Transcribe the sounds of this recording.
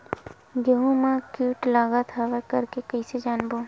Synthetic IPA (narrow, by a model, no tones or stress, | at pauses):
ɡəɦũmãkuːʈlaːɡat̪ʰaʋəkɐɾkekəised͡ʒaːnboː